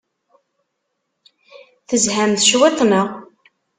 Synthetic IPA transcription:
θəzhæmθʃwet̪ˤnəʁ

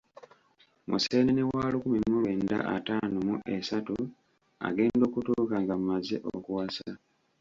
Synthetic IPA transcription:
mʔuse̞ːnenewaːlukumimːulwe̞ːnda̰ʔataːnomuʔe̞satu | a̰ɡe̞ːndo̞ːkutuːkaːŋɡammazeʔo̰kuwasa

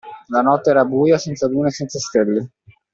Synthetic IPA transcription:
lanɔt̪ːeɛːɾabuːjasɛnt̪sab̪uːnesɛnt̪sast̪elːe

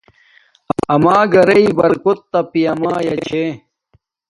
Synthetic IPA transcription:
ɐmaːɡɐɾɐibɐɾkot̪ːɐpijɐmaːjɐt͡ɕʰe

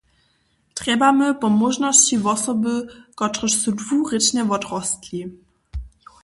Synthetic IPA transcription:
tʁɛbaməpɔmɔʒnɔsivɔsɔbəkɔtʁəʃsudvuːʁɪt͡ɕnɛvɔtʁɔstli

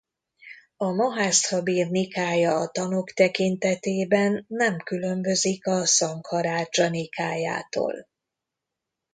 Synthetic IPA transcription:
ɒmɒɦaːst̪hɒbiːrnikaːjɒːt̪ɒnokt̪ɛkint̪ɛt̪eːbɛnːɛmkylø̞mbø̞zikɒsɒŋkhɒɾaːt͡ʃɒnikaːja̰ːt̪o̰ːl

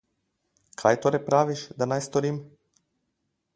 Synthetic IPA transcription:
kʰajt̪oɾepɾaʋiʃd̪anajst̪oɾim

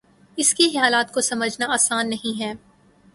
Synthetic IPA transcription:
ɪskixɐjaːlaːt̪kosɐməd͡ʒʱnaaːsaːnːɐɦĩɦɛː

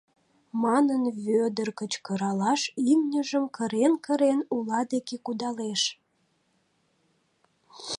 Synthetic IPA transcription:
mɑnənβød̪ərkət͡ɕkəɾɑlɑʃimnʲəʒəmkəɾenkəɾenulɑd̪ekekud̪ɑleʃ

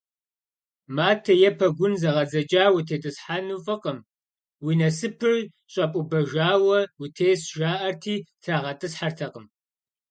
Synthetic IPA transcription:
maːtʰɐjɛpʰɐɡʷʊnzɐʁɐd͡zɐd͡ʒʼaːwitʰeːtʼɨsħaːnufʼɨqʼəm | winɐsɨpʰɨr | ɕʼɐpʼʊbɐʒaːwɐwutʰeːsʒaːʔɐrtʰiːtʰaʁɐtʼɨsħartʰɐqəm

